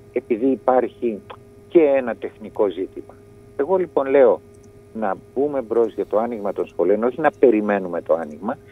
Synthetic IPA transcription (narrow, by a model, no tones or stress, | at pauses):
e̞piðiːpɐɾçi | ce̞e̞nɐt̪e̞xniko̞zit̪imɐ | e̞ɣo̞lipo̞nle̞o̞ | nɐbume̞bɾo̞zʝɐt̪o̞ɐniɣmɐt̪o̞nsxo̞leo̞no̞çinɐpe̞ɾime̞nume̞t̪o̞ɐniɣmɐ